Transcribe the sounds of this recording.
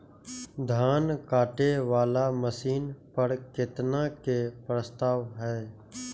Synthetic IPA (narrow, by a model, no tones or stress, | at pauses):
d̪ʱaːnkaːʈeʋaːlaməsiːnpəɾkɪt̪nakepɾəst̪aːʋɦɛː